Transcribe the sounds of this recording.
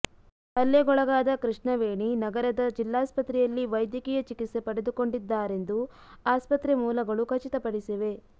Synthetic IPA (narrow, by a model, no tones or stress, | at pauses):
ɐlːeɡɔɭɐɡaːd̪ɐkɾiʂɳɐʋeːɳinɐɡɐɾɐd̪ɐd͡ʒilːaːspɐt̪ɾɛjɐlːiʋɐjd̪jɐkijɐt͡ʃikit̪se̞pɐɽe̞d̪uko̞ɳɖid̪ːaːɾe̞nd̪u | aːspɐt̪ɾemuːlɐɡɐɭukʰɐt͡ʃit̪ɐpɐɽisiʋe̞